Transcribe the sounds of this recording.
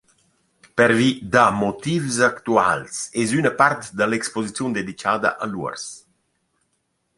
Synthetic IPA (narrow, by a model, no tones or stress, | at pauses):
pɛɾvid̪amot̪ivsakt̪ua̰lsɛzynəpaɾt̪d̪əlɛkspozit͡sjund̪ed̪it͡ʃaːd̪ə̰ʔaluə̰ɾs